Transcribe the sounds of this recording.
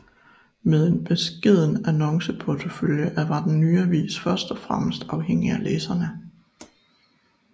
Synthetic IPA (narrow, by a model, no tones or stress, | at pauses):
með̞ˠe̝nb̥e̝sɡ̥e̝ð̞̰ˠn̩ænɒ̽ŋsəpʰɒt͡sʰo̝føljəʔæʋɑ̈d̥en̩ːyːɐʋḭːsfɶɐsd̥ɒfʁam̰əsd̥ɑ̈ʊɦeŋ̰iæleːsɐnə